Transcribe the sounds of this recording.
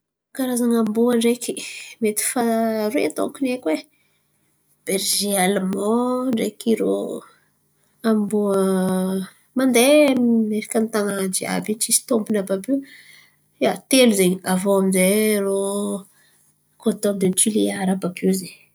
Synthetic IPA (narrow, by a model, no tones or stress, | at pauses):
kaɾazaŋambuəɳɖ͡ʐekimet̪i̥faɾḛt̪o̰kunekwe | b̥eɾʒialmɔɳɖ͡ʐekiɾo̰ | ambuə | mand̪emeɾikʲant̪anad͡ʒia̰bit͡ʃisi̥t̪ombunababi | jat̪eluzeɲiavoamizero | kot̪oamd̪ent͡ʃiliaɾababuze